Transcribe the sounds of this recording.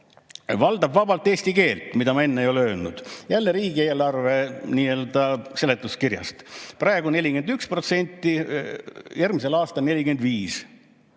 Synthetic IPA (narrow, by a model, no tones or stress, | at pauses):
vɑld̪ɑbvɑbɑlt̪ːˑe̞ːsʲt̪ike̞ːlt̪mid̪ɑmɑe̞nːeejo̞leøːlnṵd̪̥jælːeɾiːɡie̞ːlɑrve̞niːe̞ld̪̥ɑse̞let̪ːˑuskirjɑ̰st̪prɑe̞ɡune̞lʲike̞nd̪ykspro̞t̪se̞nʲt̪ːˑi | jærmise̞lɑːst̪ɑlne̞lʲiɡe̞nd̪viːs